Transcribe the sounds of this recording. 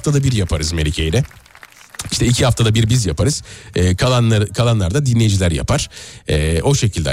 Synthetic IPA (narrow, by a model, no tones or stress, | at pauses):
ft̪ʰad̪abiɾjapʰaɾɯzmelʲicʰe̞jilʲɛ | iʃt̪ʰɛicʰihaft̪ʰad̪abiɾbizjapaɾɯz̥ɛːkʰaanakʰalˠanlˠaɾd̪ad̪inlʲe̞jid͡ʒilʲæɾja̰pʰaɾ̥ɛːo̞ʃe̞cʰilʲd̪ɛ̰